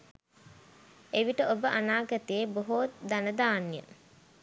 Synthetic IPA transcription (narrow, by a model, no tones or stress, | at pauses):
eʋiʈəʔobəʔanaːɡət̪ijeboɦot̪d̪anəd̪aːnjə̰